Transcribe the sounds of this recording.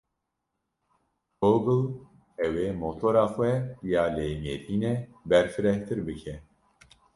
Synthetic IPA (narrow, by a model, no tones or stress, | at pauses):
ɡoːɡɨl | ɛweːmot̪ʰoɾaːxʷɛjaːleːmeɾiːnɛbɛɾfɨɾɛht̪ɨɾbɨkʰɛ